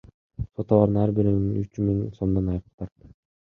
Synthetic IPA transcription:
sot̪ɑlˠɑɾd̪ɯnæɾbiɾinyt͡ʃmiŋso̞md̪ɑnɑjɾt̪ʰɑɾt̪

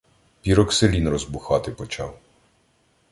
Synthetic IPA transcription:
pʲiɾɔkselʲinrɔzbʊxɑt̪ɪpɔt͡ʃɑ̰w

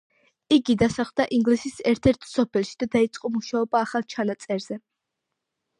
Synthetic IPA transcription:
iɡid̪asaχvd̪aʔiŋɡlisisɛɾt̪ʰɛɾt̪ʰsɔpʰɛlˠʃid̪̥ad̪ait̪sʼqʼɔmuʃaɔbaːχalˠt͡ʃʰanat̪sʼɛɾz̥ɛ

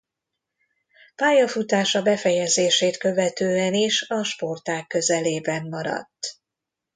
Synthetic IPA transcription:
paːjɒfut̪aːʃɒbɛfɛjɛzeːʃeːt̪kø̞vɛt̪øːɛniʃɒʃpo̞rt̪aːkːø̞zɛleːbɛmːɒɾɒ̰t̪ː

